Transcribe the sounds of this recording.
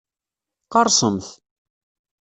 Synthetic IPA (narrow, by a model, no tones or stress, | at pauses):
qɑɾˤsˤəmθ